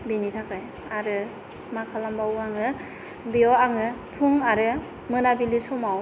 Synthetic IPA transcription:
binitʰakʰaj | aɾɯ | makʰalambauaŋɯ | biɔaŋɯpʰuŋaɾɯ | mɯnabilisɔmaw

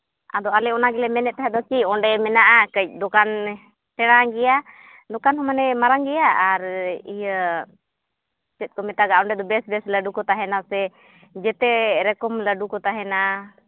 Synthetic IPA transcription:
ad̪ɔalɛɔnaɡɛlɛmɛnɛt̪̚t̪aɦɛd̪ɔkiɔɳɖɛmɛnaʔakəc̚ˀd̪ɔkan | ʈɛɽ̃aɡɛja | d̪ɔkanɦɔmanɛmaɾaŋɡɛjaːɾijə | t͡ʃɛt̪̚ˀkɔmɛt̪aɡaɔɳɖɛd̪ɔbɛsbɛsləɖukɔt̪aɦɛnasɛ | d͡ʒɛt̪ɛɾɛkɔmləɖukɔt̪aɦɛna

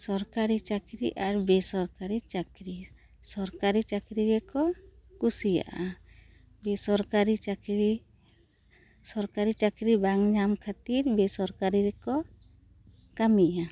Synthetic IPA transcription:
sɔɾkaɾit͡ʃakɾḭʔaɾbɛsɔɾkaɾit͡ʃakɾi | sɔɾkaɾit͡ʃakɾiɡɛkɔkusija̰ʔa | bɛsɔɾkaɾit͡ʃakɾi | sɔɾkaɾit͡ʃakɾibaŋɲamkʰat̪iɾbɛsɔɾkaɾiɾɛkɔ | kamija

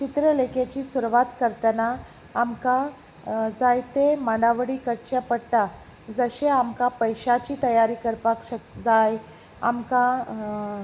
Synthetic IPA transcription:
t͡ɕit̪ɾəleket͡ɕiːsuɾʋat̪kəɾt̪ənaː | mka | d͡zajt̪emaɳɖaʋəɽiːkəɾt͡ɕapəɽʈ̪a | d͡zəɕeamkapəjɕat͡ɕiːt̪əjaɾiːkəɾpakɕəd͡zaj | a̰mka

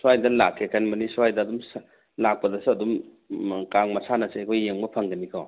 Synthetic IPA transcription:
swajdɐla̰kʰːekʰanmɐnisuajdɐːdums | lak̚pɐdɐsɐdum | kaŋmɐsʰanɐsekʰɔjjeŋbɐpʰɐŋɡɐnikʰɔ

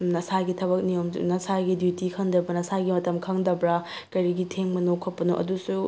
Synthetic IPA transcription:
nɐsaɡitʰɐbɐk̚niom̰nɐsaɡidjutikʰɐŋdɐbɐnɐsaɡimɐtɐmkʰɐŋdɐbɾɐ | kɐjɾiɡitʰeŋmɐnokʰot̚pːɐnoʔɐ̰dusu

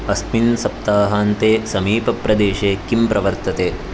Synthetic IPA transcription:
ɐsminsɐp̚t̪aːɦaːnt̪eːsɐmiːpɐpɾɐd̪eːʃeːkimpɾɐʋɐɾt̪ɐt̪eː

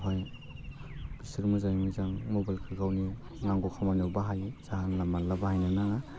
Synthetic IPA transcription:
ɦoj | b̥isiɾmuzajmizaŋmobajlkʰɯɾɡawni | ŋaŋɡokʰamanawbaɦajz̥aɦanlamːalːabahajnanaŋa

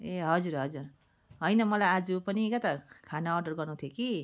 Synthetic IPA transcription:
eɦʌd͡zurɦʌd͡zur | ɦʌjnʌmʌlajad͡zupʌnikʌt̪akʰanaːrɖʌrɡʌrnut̪ʰjoki

